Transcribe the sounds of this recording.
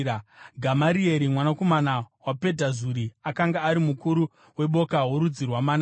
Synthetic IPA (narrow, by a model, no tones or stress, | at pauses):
ɡʱamaɾieɾimwanako̞manawape̞dʱazuɾiakaŋɡaːɾimukuɾu | we̞ɓo̞kaɦoɾud͡zirwamana